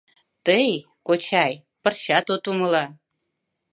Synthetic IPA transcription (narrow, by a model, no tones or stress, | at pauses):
t̪əj | kot͡ɕɑj | pə̆rɕɑt̪ot̪uməlɑ